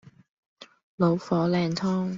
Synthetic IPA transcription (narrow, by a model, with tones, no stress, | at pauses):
lo˨˥wfɔː˨˥lɛː˨˩nt̪ʰɔː˥ŋ